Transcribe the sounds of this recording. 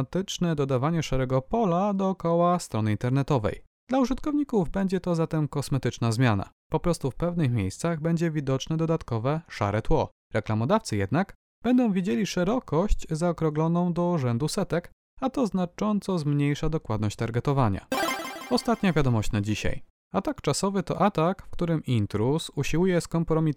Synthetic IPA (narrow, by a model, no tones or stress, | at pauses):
at̪ɘt͡ʂnɛd̪ɔd̪avaɲɛʂaɾɛɡɔpɔlad̪ɔːkɔwast̪ɾɔnɘint̪ɛɾnɛt̪ɔvɛ̰j | d̪lauʐɘt̪kɔvɲikuvbɛɲd͡ʑɛt̪ɔzat̪ɛmkɔsmɛt̪ɘt͡ʂnazmʲjana̰ | pɔpɾɔst̪ufpɛvnɘxmʲjejst̪saɣbɛɲd͡ʑɛvʲid̪ɔt͡ʂnɛd̪ɔd̪at̪kɔvɛʂa̰ɾɛt̪wɔ | ɾɛklamɔd̪aft̪sɘjɛd̪naɡ | b̥ɛnd̪ɔ̃w̃vʲid͡ʑelʲiʂɛɾɔkɔɕt͡ɕzaɔkɾɔɡlɔnɔ̃w̃d̪ɔuʐɛnd̪usɛt̪ɛk | at̪ɔznat͡ʂɔnt̪sɔzmɲejʂad̪ɔkwad̪nɔɕt͡ɕʲt̪aɾɡɛt̪ɔvaɲa̰ɔst̪at̪ɲavʲjad̪ɔmɔɕt͡ɕnad͡ʑiɕa̰j | at̪akt͡ʂasɔvɘt̪ɔ̰ʔat̪akfkt̪uɾɘmint̪ɾusuɕiwujɛskɔmpɾɔmʲit̪